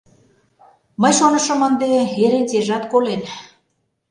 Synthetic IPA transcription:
məjʃonə̆ʃɤ̆mə̆nd̪eeɾet͡seʒɑt̪kolen

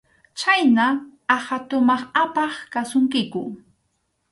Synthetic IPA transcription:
t͡ʃajnaahat̪ʊmɑχapɑχkasʊŋkɪkʊ

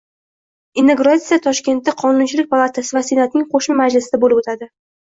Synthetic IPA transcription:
ɪnːeɡɾat̪sijat̪ʰɒʃkʲe̞nt̪ːaqʰɒnʊnt͡ʃʰɪlɪk̚ʲpʰalˠat̪ʰasɪvasienat̪nɪŋqʰoʃmɪmad͡ʒlɪsɪd̪abolɪbot̪ʰad̪ɪ

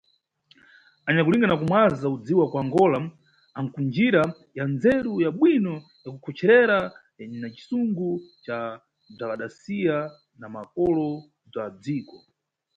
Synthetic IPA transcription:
aɲakuliŋɡanakumwazaud͡ziwakwaŋɡɔla | aŋkund͡ʒiɾa | jand͡zɛɾujaɓwinɔ | jakukʰɔt͡ʃʰɛɾɛɾa | nat͡ʃi̥suŋɡut͡ʃa | b͡ʐakaɗasija | namakɔlɔ | b͡ʐad͡ziːkɔ

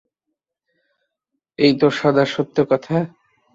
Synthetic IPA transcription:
ejt̪oʃɔd̪ʱaʃot̪ːokɔt̪ʰa

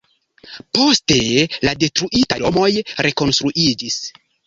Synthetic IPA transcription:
po̞ste̞lade̞tɾuʔitalomo̞jɾʔe̞ko̞nstɾuʔid͡ʒis

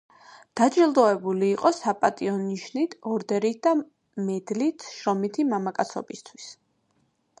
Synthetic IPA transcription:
d̪̥ad͡ʒilˠd̪ɔɛbuliːqʼɔsapʼat̪ʼiɔniʃnit̪ʰɔɾd̪ɛɾit̪̚ʰd̪a | mɛd̪lit̪ʰʃɾɔmit̪ʰimamakʼat̪sʰɔ̰bist̪ʰwis

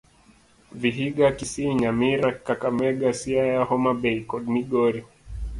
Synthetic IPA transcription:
viɦiɡakisiɲamiɾakakamɛɡasiajahɔmabɛikɔdmiɡɔɾi

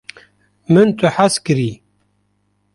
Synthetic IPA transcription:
mɨnt̪ʰɨħaskɨɾiː

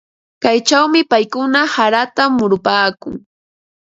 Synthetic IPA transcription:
kajt͡ʃawmɪpajkʊnahaɾat̪amːʊɾʊpaːkʊŋ

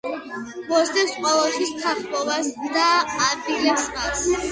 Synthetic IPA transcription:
mɔsd̪ɛpsqʼɔlˠɔtt̪ʰwist̪ʰaχbɔvasd̪aːbilasmas

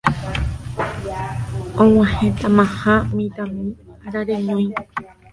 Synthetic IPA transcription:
õw̃ãhẽt̪amãhãmĩt̪amĩaɾaɾeɲõj̃

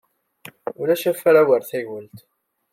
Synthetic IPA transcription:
ʊlæʃæfæɾawəɾθæʝəlt̪

